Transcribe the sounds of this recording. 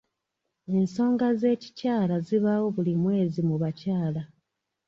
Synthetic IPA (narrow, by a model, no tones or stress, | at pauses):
e̞nso̞ːŋɡaze̞ːci̥caːlaziβawo̞βulimwe̞ːzimuβacaːla